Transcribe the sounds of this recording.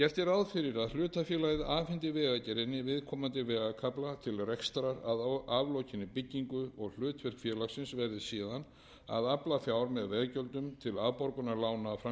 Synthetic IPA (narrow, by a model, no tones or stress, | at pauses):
cɛr̥t̪ɪɾaðfɪɾɪɾaðl̥ʏːt̪afjɛlajðɪʔaːfɪnt̪ɪvɛːɣacɛɾɪnːɪvɪðkʰɔːmant̪ɪvɛːɣakʰaplat̪ʰɪlrɛkst̪ɾaɾaðavlɔwcʰɪnːɪpɪcːiŋkʏɔɣl̥ʏːt̪vɪr̥kfjɛɾlaɣsɪnsvɛɾðɪsiːðan | a̰ðaplafjaːwɾmɛðvɛːɣcœlt̪ʏmt̪ʰɪlaðpɔɾkʏnalaːwnaːfɾa